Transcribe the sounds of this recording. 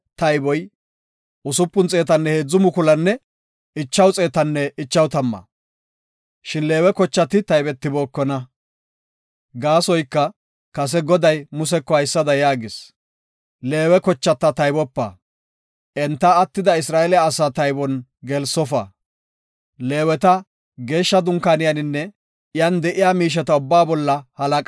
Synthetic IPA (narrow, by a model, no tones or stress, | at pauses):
t̪ɐjbɔj | ʔʊsʊpːʊnt͡sʼe̞ːt̪̬ɐnːɛheːd͡zːʊmʊkʊlɐnːɛ | ɪt͡ʃːɐwt͡sʼe̞ːt̪ɐnːɛɪt͡ʃːɐwt̪ɐmːɐ̰ | ʃɪnle̞ːwɛkɔt͡ʃːɐt̪ɪt̪ɐjbɛt̪ːɪbo̞ːkːɔnɐ | ɡaːsɔjkːɐ | kɐs̬ɛɡɔd̪ɐjmʊsɛkːɔhɐjsːɐd̪ɐjaːɡɪs | le̞ːwɛkɔt͡ʃːɐt̪ːɐt̪ɐjbɔpːɐ̰ | ʔɛnt̪ːɐːt̪ːɪd̪ɐɪsɾaːɛlɛjaːsaːt̪ɐjbɔnɡɛlsɔfɐ̰ | le̞ːwɛt̪ɐ | ɡe̞ːʃːɐd̪ʊŋkaːnɪjɐnɪnːɛ | ɪjɐnd̪ɛʔɪjaːmiːʃ̬ɛt̪ɐʊbːaːbɔlːɐhɐlɐkʼ